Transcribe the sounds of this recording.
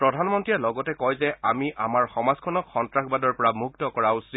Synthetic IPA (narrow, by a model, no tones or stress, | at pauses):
pɹɔdʱanmɔntɹiɛlɔɡɔtɛkɔjzɛʔamiʔamaɹxɔmazkʰɔnɔkxɔntɹaxbadɔɹpɔɹamuktɔkɔɹaʊs